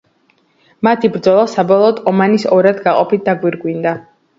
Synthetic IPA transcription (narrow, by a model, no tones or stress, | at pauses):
mat̪ʰibɾd̪zɔlˠasabɔlˠɔːd̪ɔmanisɔɾad̪ɡaqʼɔpʰit̪̚d̪aɡwiɾɡwind̪a